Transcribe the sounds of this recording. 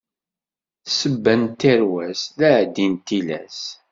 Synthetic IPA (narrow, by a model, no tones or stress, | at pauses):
θsəbːænt̪ːəɾwæslæʕd̪int̪ilæ̰s